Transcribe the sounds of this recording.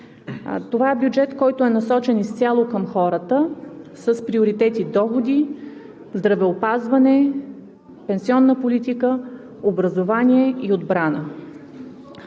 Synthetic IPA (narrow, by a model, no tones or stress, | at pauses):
t̪ovaɛbjud͡ʒɛt̪kɔjt̪ʊɛnɐsɔt͡ʃɛnist̪sʲalˠokəmxɔɾət̪əsəspɾioɾit̪ɛt̪id̪ɔxod̪i | zd̪ɾɐvɛopazvɐnɛ | pɛnsiɔnːəpolit̪ikə | obɾɐzovaniɛiod̪bɾanə̰